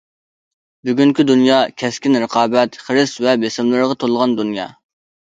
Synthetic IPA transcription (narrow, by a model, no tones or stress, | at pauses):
byɡʲyŋkʲid̪unjɑːkʲʰɛskʲinɾəqʰɑːbɛt̪χəɾɨsvɛbesɪmlˠɨɾəʁɑt̪ʰolˠʁɑnd̪unjɑ̰ː